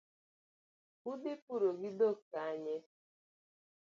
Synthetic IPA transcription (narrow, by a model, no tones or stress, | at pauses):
udɪpʊɾoɡɪdokaaɲe